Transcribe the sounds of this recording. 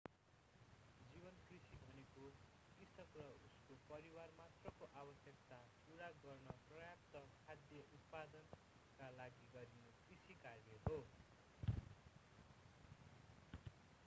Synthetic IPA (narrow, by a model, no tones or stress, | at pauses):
d͡zibʌnkrisibʱʌneko | kisʌkrʌuskopʌɾiwarmat̪rʌkoʔabʌsjʌk̚t̪apuɽaɡʌrnʌprʌjap̚t̪ʌkʰad̪jʌʔut̪̚pad̪ʌn | kalaɡiɡʌɾinʌkrisikaleɦo